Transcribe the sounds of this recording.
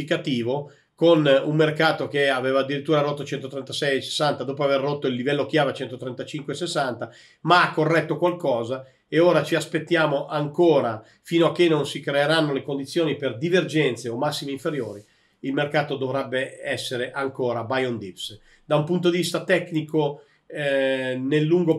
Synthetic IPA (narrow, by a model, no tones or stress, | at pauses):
ikat̪iːvo | konummerkaːt̪ok̟eaveːvad̪ːiɾit̪ːuːɾaɾot̪ːot͡ʃɛnt̪ot̪ɾɛnt̪asɛjese̥sːant̪ad̪oːpoaverːot̪ːoilːivɛlːok̟jaːvet͡ʃɛnt̪ot̪ɾɛnt̪at͡ʃiŋkwesesːant̪a | maakːorːɛt̪ːokwalkɔːza | eoːɾat͡ʃiaspet̪ːjaːmoʔaŋkoːɾa | fiːnoakːenːonsikɾeːɾanːolekond̪it̪sːjoːniperd̪iverd͡ʒɛnt̪seomasːimeiɱfeɾjoːɾi | ilmerkaːt̪od̪ovɾɛbːeɛsːeɾeʔaŋkoːɾabajond̪ips | d̪aumpunt̪̬od̪ivist̪at̪ɛkniko | nelːuŋɡo